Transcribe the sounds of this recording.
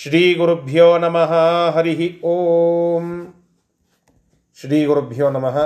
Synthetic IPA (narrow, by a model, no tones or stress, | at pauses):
ʃɾiːɡuɾubʱjɔːnɐmɐɦɐɦɐɾiɦioːm | ʃɾiːɡuɾubʱjɔːnɐmɐɦɐ